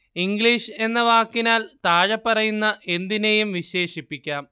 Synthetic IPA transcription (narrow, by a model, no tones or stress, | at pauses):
iŋɡɭiʂe̞nːɐʋaːkːinaːlt̪aːɻɐpːɐrɐjunːɐʔe̞nd̪inejumʋiɕe̞ːʂipːikʲːaːm